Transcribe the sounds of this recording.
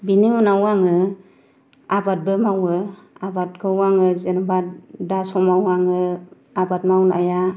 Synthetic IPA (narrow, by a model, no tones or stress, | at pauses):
bininawaŋɯ | abat̚bɯmawɯabat̚kʰɯwaŋɯzenabatdasɔmawaŋɯ | abat̚mawnʔa̰ja